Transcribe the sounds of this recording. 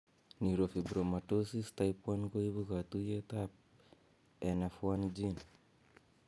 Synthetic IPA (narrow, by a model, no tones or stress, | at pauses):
niɾofibɾomatosistajpuankoibukat̪ujetap̚ | enafuand͡ʒin